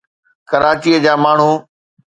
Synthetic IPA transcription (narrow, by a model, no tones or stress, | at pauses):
kəɾaːt͡ɕiːəd͡ʑaːmaːɳ̤uː